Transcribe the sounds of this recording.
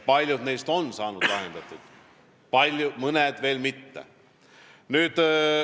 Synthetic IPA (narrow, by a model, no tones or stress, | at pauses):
pɑlʲjud̪ne̞jst̪o̞nːsɑːnud̪̥lɑɦend̪ɑt̪ːˑut̪ | pɑlʲjumɤned̪̥ve̞ːlmit̪ːḛ | nyːd̪̥